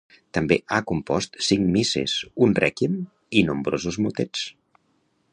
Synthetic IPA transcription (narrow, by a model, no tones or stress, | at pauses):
t̪əmbeʔakumpɔst̪siŋmisḛzunrɛkim | inumbɾozuzmut̪et͡s